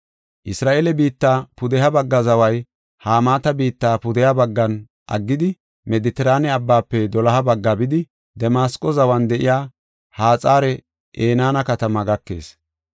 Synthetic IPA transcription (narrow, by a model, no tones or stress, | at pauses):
ʔɪsɾaːʔelɛbiːt̪ːaːpʊd̪ɛɦɐbɐɡːɐzɐwɐj | haːmaːt̪ɐbiːt̪ːaːpʊd̪ɛjɐbɐɡːɐn | ʔɐ̰ɡːɪd̪ɪ | mɛd̪ɪt̪ɛɾaːnɛɐbːaːpːɛd̪ɔlɐɦɐbɐɡːabɪd̪ɪ | d̪ɛmaːskʼːɔzɐwɐnd̪ɛʔɪ̰jaː | haːt͡sʼaːɾɛ | ʔeːnaːnɐkɐt̪ɐmɐɡɐkːe̞̰ːs